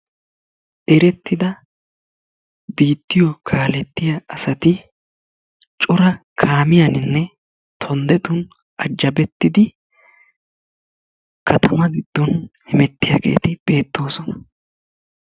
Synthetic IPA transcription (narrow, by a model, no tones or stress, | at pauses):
ʔɛɾɛt̪ːɪd̪ɐ | biːt̪ːɪjɔkʰaːlɛt̪ːɪjɐɐsɐt̪ɪ | t͡ʃʼʊɾɐkʰaːmɪjɐnɪnːɛ | t̪ʰɔnd̪ɛt̪ʊn | ʔɐd͡ʒːɐbɛt̪ːɪd̪ɪ | kʰɐt̪ʰɐmɐɡɪd̪̥ːɔnhɪmɛt̪ːɪjaːɡḛːt̪ɪb̥e̞ːt̪ːo̞ːsɔnɐ